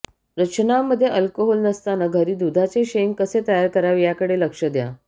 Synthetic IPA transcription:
ɾət͡ɕənaməd̪ʱːjeʔəlkoɦolnəst̪anəɡʱəɾiːd̪ud̪ʱat͡seɕeŋkəset̪əjaɾkəɾaʋjakəɽeləkʂəd̪ja̰

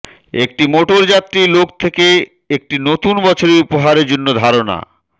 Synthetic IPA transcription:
ek̚ʈimoʈoɾd͡ʑat̪ːɾilokt̪ʰeke | ek̚ʈinot̪unbɔt͡ɕʰoɾeɾupoɦaɾeɾd͡ʑonːod̪ʱaɾona̰

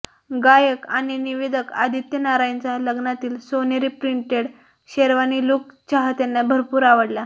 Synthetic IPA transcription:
ɡajəkaɽ̃iniʋed̪ʱəka̰d̪ʱit̪jənaɾant͡saləɡnat̪iːlsoneɾipɾiɳʈeɽ | ɕeɾʋaniːlok̚t͡ɕaɦat̪janːabʱəɾpuːɾaʋəɽla

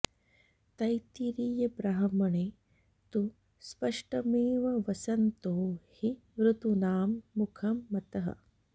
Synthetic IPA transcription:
t̪ɐjt̪iɾiːjɐbɾaɦɐmɐɳeː | t̪u | spɐʂʈɐmeːʋɐʋɐsɐnt̪oːhi | ʋɾut̪unaːmːukʰɐmːɐt̪ɐɦɐ̰

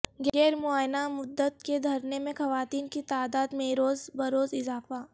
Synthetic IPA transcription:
ɡɛːɾmʊaːjnamʊd̪ːət̪ked̪ʱɐɾnemẽxɐʋaːt̪iːnkit̪aːd̪aːd̪mẽːɾoːzbɐɾoːzɪzaːfa

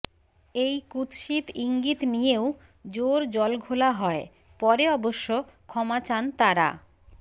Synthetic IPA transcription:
ejkut̪ʃit̪iŋɡit̪nijeo | d͡ʑoɾd͡ʑɔlɡʱolaɦɔe | pɔɾeɔboʃːokʰɔmat͡ɕant̪aɾa̰

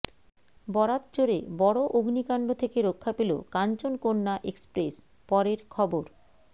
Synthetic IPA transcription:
bɔɾat̪̚t͡ɕoɾebɔɽoʔoɡʱnikaɳɖot̪ʰekeɾokʰːapelo̰kant͡ɕonkonːaʔekspɾes | pɔɾeɾkʰɔboɾ

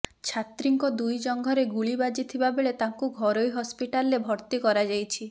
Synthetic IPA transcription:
t͡ʃʰat̪ɾiŋkɔd̪ujd͡ʒɔŋɡʱɔɾeɡuɭibad͡ʒit̪ʰibabeɭet̪aŋkuɡʱɔɾojɦɔspiʈalɔɾebʱɔɾt̪ikɔɾad͡ʒajt͡ʃʰi

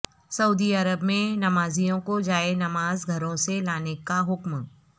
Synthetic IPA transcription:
sɐuːd̪iɐɾəbmẽnɐmaːzijõkod͡ʒaːenɐmaːzɡʱɐɾõselaːnekaɦʊkm

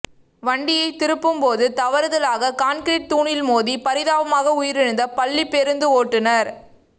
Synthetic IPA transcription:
ʋɐɳɖɪjɐɪt̪ɪɾɯpːɯmpoːðɯt̪ɐʋɐɾɐðɐlaːɣɐkaːnkɾiːʈ̚t̪uːɳɪlmoːðipɐɾɪðaːʋɐmaːɣɐʊjɪɾɪɻɯnd̪ɐpɐɭːipːɛɾɯnd̪ɯoːʈːɯnɐɾ

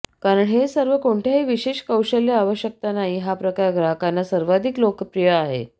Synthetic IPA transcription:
kaɾəɳɦesəɾʋəkoɳʈ̪ʰjaɦiʋiɕeɕkəwɕəljaaʋəɕjək̚t̪anaɦiːɦapɾəkaɾɡɾaɦəkanːasəɾʋad̪ʱiklokpɾijəaɦḛ

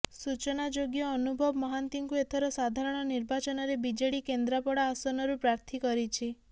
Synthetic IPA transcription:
sut͡ʃɔnad͡ʒoɡjɔːnubʱɔbɔmɔɦant̪iŋkuet̪ʰɔɾɔsad̪ʱaɾɔɽ̃ɔniɾbat͡ʃɔnɔɾebid͡ʒeɽikend̪ɾapɔɽaːsɔnɔɾupɾaɾt̪ʰikɔɾit͡ʃʰi

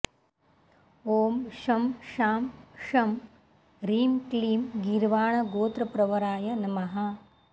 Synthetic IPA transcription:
oːmʃɐmʃaːmʃɐm | ɾiːmkliːmɡiɾʋaːɳɐɡoːt̪ɾɐpɾɐʋɐɾaːjɐnɐmɐɦɐ

